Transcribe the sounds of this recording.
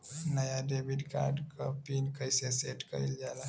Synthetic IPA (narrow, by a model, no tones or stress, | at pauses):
nəjaɖebiɖka̰ɾɖkəpinkəjseseʈkə̰ild͡ʒala